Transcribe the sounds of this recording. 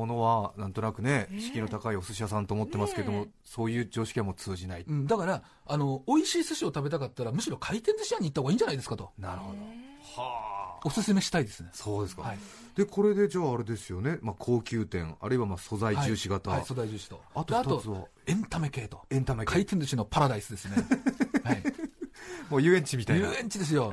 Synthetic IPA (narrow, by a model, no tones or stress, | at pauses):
mono̞βanãnt̪o̞nakɯ̟neɕi̥kʲino̞t̪akaio̞sɨɕiasãnt̪o̞ːmot̪ːe̞masɨ̥ke̞d̪o̞mo̞ | so̞ːjɯ̟ːd͡ʑo̞ːɕi̥kʲiãmːo̞t͡sɨːʑinaiɯ̟̃ɴd̪akaɾa | ano̞oiɕiːsɨɕio̞t̪abe̞t̪akat̪ːaɾamɯ̟ɕiɾo̞kʰait̪ẽnzɨɕiaɲ̟iːt̪ːahoɡaiːɲd͡ʑanaid̪e̞sɨ̥kat̪o̞naɾɯ̟ho̞d̪o | haːosɨsɨme̞ɕi̥t̪aid̪e̞sɨneso̞ːd̪e̞sɨ̥kahai | d̪̥e̞kʰo̞ɾe̞d̪e̞d͡ʑaːɾe̞d̪e̞sɨjone̞makʰo̞ːkʲɨːt̪ẽ̞̰ŋa̰ɾɯ̟iβamaso̞zaihad͡ʑɨːɕiɡat̪aaiso̞zaid͡ʑɨːɕi̥t̪o̞at̪oeat̪o̞βa | ẽ̞nt̪ame̞ke̞ːt̪o̞̥ẽnt̪amekʰait̪ẽ̞nd͡zɨɕino̞paɾad̪aisɨd̪e̞sɨnehi | moːjɯːẽ̞ɲ̟t͡ɕimʲit̪ajɯːẽ̞ɲ̟t͡ɕid̪e̞s̬ɨjo̞